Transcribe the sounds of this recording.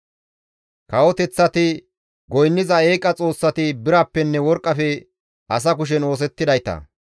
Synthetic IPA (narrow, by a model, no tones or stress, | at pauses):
kɐwɔt̪ɛt͡sːɐt̪ɪ | ɡɔjnːɪzɐeːkʼːɐt͡sʼo̞ːsːɐt̪ɪbɪɾapːɛnːɛwɔɾkʼːɐfɛ | ʔɐs̬ɐkʊʃ̬ɛno̞ːs̬ɛt̪ːɪd̪ɐjt̪ɐ̰